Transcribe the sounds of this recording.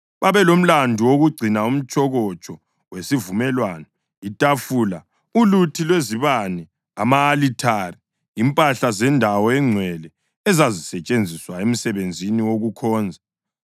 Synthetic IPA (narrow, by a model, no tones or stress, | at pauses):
βaβɛlom̩landʱuwoɣuɡ͡ǀʱinaum̩t͡ʃʼɔɣɔt͡ʃʼɔ | wesivumɛlwaːnɔ | itʼafula | ulutʰilweziβanɛ | amaːlitʰari | impʼaɬazɛndʱawɔɛŋ͡ǀʱwɛlɛ | ɛzazisɛt͡ʃʼend͡zʱiswaem̩sɛβend͡zʱiniwoɣukʰɔːnd͡zʱa